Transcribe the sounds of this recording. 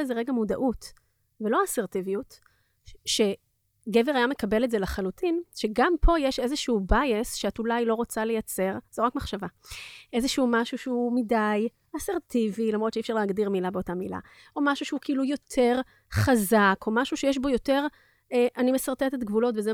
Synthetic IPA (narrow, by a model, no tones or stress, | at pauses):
ezeʁeɡamuda̰ʔut | velo̞aseʁtivijut | ʃe̞ | ɡeve̞ʁajame̞kabe̞letzelaχalutinʃeɡampʰo̞jeʃe̞zeʃubajesʃeatulajlo̞ʁot͡sale̞jat͡se̞ʁz̥oʁakmaχʃavaʔe̞zeʃeumaʃuʃeumidaj | aseʁtivilamʁotʃeifʃaʁleːɡdiʁmilabeo̞tamila̰ | o̞maʃuʃeukilujo̞tʰe̞ʁ | χazako̞maʃuʃejeʃ̬bo̞jo̞te̞ʁ | eʔanimesaʁt̪et̪etɡvulo̞tveze